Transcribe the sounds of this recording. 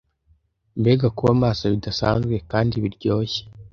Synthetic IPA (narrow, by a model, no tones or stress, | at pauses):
mbe̞ːɡakuβamaːsaβidasa̰ːnzɡwe̞kaːndiβiɾɟo̞ːçe̥